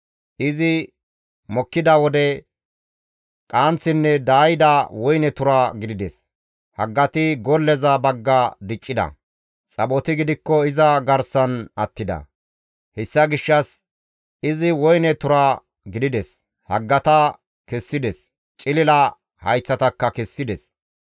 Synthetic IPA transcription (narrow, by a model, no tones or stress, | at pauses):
ʔɪzɪ | mɔkːɪd̪ɐwɔd̪ɛ | kʼaːnt͡sːɪnːɛd̪aːjɪd̪ɐwɔjnɛt̪ʊɾaɡɪd̪ɪd̪ɛs | hɐɡːɐt̪ɪɡɔlːɛzɐbɐɡːɐd̪ɪt͡ʃʼːɪd̪ɐ̰ | t͡sʼɐɓɔt̪ɪɡɪd̪ɪkːɔɪzɐɡɐɾsɐnɐt̪ːɪd̪ɐ̰ | hɛsːɐɡɪʃːɐs | ɪzɪwɔjnɛt̪ʊɾa | ɡɪd̪ɪd̪ɛs | hɐɡːɐt̪ɐ | kɛsːɪd̪ɛs | t͡ʃʼɪlɪlɐ | hɐjt͡sːɐt̪ɐkːɐkɛsːɪd̪ɛs